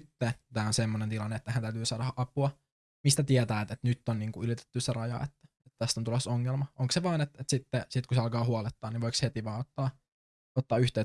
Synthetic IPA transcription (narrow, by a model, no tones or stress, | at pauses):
t̪ːet̪æːonsemːonent̪ilɑnːeet̪ːæhænt̪æyt̪yːsɑːdɑʔɑpuɑ | mist̪æt̪iɛt̪æːt̪et̪nyt̪ːonniːŋkuylit̪e̥t̪ːyserɑjɑ̰ḛt̪ːæ̥ | et̪t̪æst̪ont̪ulosoŋːelmɑʔoŋkseʋɑːnet̪et̪sit̪ːesit̪̚kuseɑlkɑːhuɑlet̪ːɑːniʋoikshet̪iʋɑːot̪ːɑː | ot̪ːɑːyht̪eː